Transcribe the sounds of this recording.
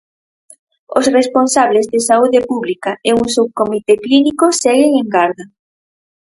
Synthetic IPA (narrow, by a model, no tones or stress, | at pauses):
osresponsaβ̞lezðesauðepuβlikaeuŋsuwkomit̪eklinikosɛɣeŋeŋɡaɾða